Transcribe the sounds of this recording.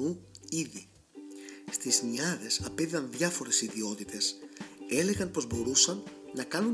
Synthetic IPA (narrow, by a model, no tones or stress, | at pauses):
uiði | st̪izniɐðe̞sɐpeðiɐnðʝɐfo̞ɾe̞siðio̞t̪it̪e̞se̞le̞ɣɐnpo̞zbo̞ɾusɐnːɐkɐnun